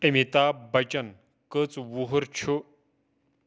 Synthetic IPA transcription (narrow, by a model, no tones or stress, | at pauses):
emit̪abət͡ɕən | kət͡sʋuɦuɾt͡ɕʰu